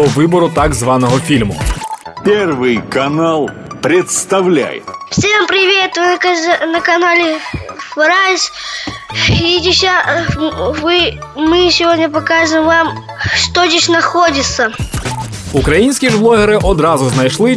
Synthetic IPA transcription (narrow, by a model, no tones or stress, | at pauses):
ɔʋɪbɔɾʊt̪aɡzʋɑnɔɦɔfʲilʲmʊ̰pʲɛrʋɨjkɐnalˠ | pɾʲɪt̪st̪ɐʋlʲæ̰jɪ̰t̪fsʲeʋampɾʲɪʋʲestʊj̪kanəkɐnalʲɪvɾajʲɪsʲ | idʲɪsʲa | vɨ | mɨsʲɪvodʲnʲɐpɐkaʐɨmvam | ʂt̪od̪ʲɪsʲnɐxodʲɪt̪sə | ukɾɐjinʲsʲkʲiʐblˠɔɦɛɾɪʔɔd̪ɾɑzʊznɐjʃlˠɪ